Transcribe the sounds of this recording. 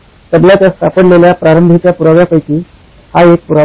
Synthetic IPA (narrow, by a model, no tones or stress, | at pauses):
t̪əb̪ljat̪jast̪ʰapəɽleljapɾaɾəmbʱit̪japuɾaʋjapajkiː | haek̚puɾa